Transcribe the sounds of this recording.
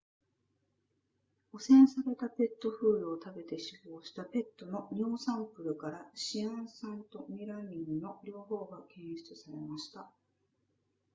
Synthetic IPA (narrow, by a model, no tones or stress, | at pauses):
o̞sẽ̞ɰ̃saɾe̞t̪ape̞t̪ːo̞ɸɯ̟ːɾɯ̟o̞t̪abe̞t̪e̞ɕibo̞ːɕi̥t̪ape̞t̪ːo̞no̞ɲ̟iosãmpɯ̟ɾɯ̟kaɾaɕiãɰ̃sãnt̪o̞mʲiɾamʲinnːo̞ɾʲo̞ːɦo̞ːɡakẽ̞ɰ̃ɕi̥t͡sɨsaɾe̞maɕi̥t̪a